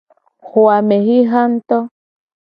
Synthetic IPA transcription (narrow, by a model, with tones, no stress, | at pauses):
ho˨a˨me˨ɦi˦ɦa˦nt̪o˦